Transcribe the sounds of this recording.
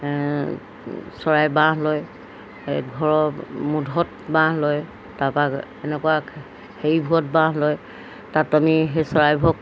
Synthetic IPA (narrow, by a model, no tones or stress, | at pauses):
sɔɹajbãɦlɔj | ɡʱɔɹɔmudʱɔt̚ | bãɦlɔj | tapakɛnɛkuwa | hejbʱuɔt̚bãɦlɔj | tatamiɦesɔɹajbʱɔk̚